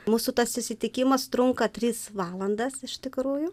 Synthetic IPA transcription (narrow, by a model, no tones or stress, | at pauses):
muːsʊt̪ɐssʊsʲɪt̪ʲɪkʲɪmɐst̪ɾʊŋkɐt̪ʲɾʲiːsʋɑːlˠɐnd̪ɐsɪʃt̪ʲɪkɾuːjʊ